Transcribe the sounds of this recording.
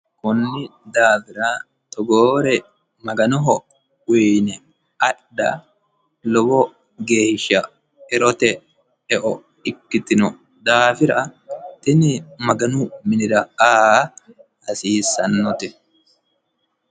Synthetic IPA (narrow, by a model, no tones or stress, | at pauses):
kʊnːɪd̪aːfɪɾaː | t̪ɔɡoːɾɛ | mɐɡɐnɔɦɔ | ʊjnɛ | ɐɗdɐ̰ | lɔbɔ | ɡe̞ːʃɐ | ɛɾɔt̪ɛ | ɛʔɔ | ɪkːɪt̪ɪnɔ | d̪aːfɪɾat̪ɪnɪmɐɡɐnʊmɪnɪdɐaː | hɐsiːsɐnːɔt̪ɛ